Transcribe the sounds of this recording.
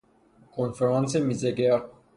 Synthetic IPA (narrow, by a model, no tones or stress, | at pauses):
kʰonfeɾɑ̃nsemizeɡe